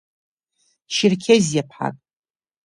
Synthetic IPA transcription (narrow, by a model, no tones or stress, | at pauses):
ʃɪrkʲʰezjapʰħa̰tʼ